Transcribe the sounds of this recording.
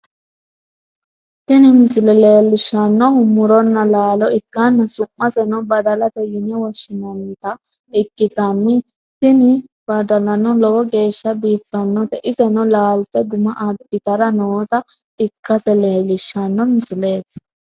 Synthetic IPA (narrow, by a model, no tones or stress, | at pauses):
t̪ɪnɪmɪsɪlɛleːlːɪʃːɐnːɔhʊmːʊɾɔnːɐlaːlɔɪkːɐnːɐsʊmːɐsɛnɔbɐd̪ɐlɐt̪ɛjɪnɛwɐʃːɪnɐnt̪ɐ | ɪkːɪt̪ɐnːɪ | t̪ɪnɪ | b̥ɐd̪ɐlɐnːɔlɔwɔɡe̞ːʃːɐbiːfːɐnːɔt̪ɛʔɪsɛnɔlaːlt̪ɛɡʊmɐʔad̪bɪt̪ɐɾɐnoːt̪ɐ | ɪkːɐsɛleːlːɪʃːɐnːɔmɪsɪleːt̪ː